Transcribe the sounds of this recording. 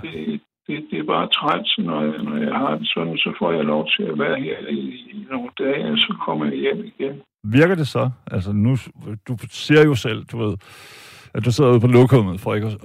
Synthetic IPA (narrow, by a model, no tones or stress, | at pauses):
d̥e̝ | d̥ed̥e̝b̥ɑ̈ːt͡sʰʁḁsenɒnɒjɑ̈ɪɦɑ̈d̥e̝sɒd̥n̩sɒ̽fɒ̰ːjɑ̈ɪlɒʊt͡sʰe̝læʋæɐheɐ̰ino̝ːnd̥ɛːɒsɒ̽kʰɒ̽m̰ɐjɑ̈jem̰iɡ̥en | ʋiɐɡ̥ɐd̥e̝sɒ̽ʔælsənud̥use̝ɐ̰jo̝sel̰d̥uʋe̝ð̞̰ˠ | æd̥useð̰ˠuðˠpʰɒ̽lɔɡ̥homð̩ˠfɒ̰eɡ̥